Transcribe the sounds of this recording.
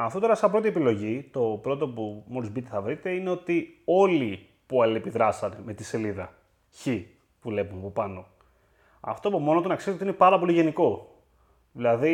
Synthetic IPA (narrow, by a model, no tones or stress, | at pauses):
ɐft̪ot̪o̞ɾɐsɐpɾo̞t̪ie̞pilo̞ʝit̪o̞pɾo̞t̪o̞pumoɾizbit̪eθɐvɾit̪e̞ine̞o̞t̪io̞li | puɐliepiðɾɐsɐneme̞t̪ise̞liðɐ | çi | pule̞pumɐpo̞pɐno̞ | ɐ̰ft̪opumo̞not̪onɐksiszt̪eoinepɐɾɐpo̞liʝe̞niko̞ | ðilɐði